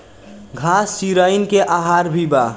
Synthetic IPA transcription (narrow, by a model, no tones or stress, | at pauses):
ɡʱasːiɾainkeʔaɦaɾbʱiba